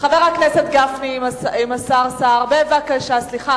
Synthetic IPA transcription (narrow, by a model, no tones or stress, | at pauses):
χaveʁakneset̪̚ɡafniimasaʁsaʁbeevakaʃasliχa